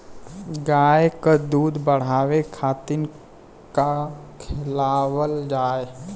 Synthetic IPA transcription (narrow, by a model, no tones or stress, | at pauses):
ɡaːjkəd̪uːd̪bəɽ̤aːʋekʰaːt̪ɪn | kakʰɪlawəld͡ʒaːe